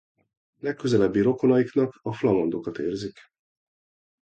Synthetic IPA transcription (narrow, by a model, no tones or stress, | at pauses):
lɛkːøzɛlɛbːiɾo̞ko̞nɒjiknɒkɒflɒmond̪o̞kɒt̪eːrzik